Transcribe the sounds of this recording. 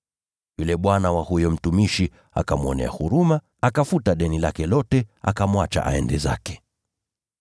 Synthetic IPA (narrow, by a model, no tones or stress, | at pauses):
julɛɓwanawahujɔm̩tumiʃi | a̰kamɔnɛ̰a̰huɾumaːkafutaɗɛnilakɛlɔtɛa̰kamwat͡ʃa̰ʔa̰ɛndɛza̰kɛ̥